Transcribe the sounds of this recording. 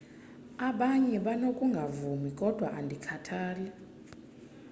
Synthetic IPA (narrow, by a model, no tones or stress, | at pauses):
aɓaɲɛɓanokʼuŋɡʱavumikʼɔd̥ʱwaʔandʱikʰatʰaːlɛ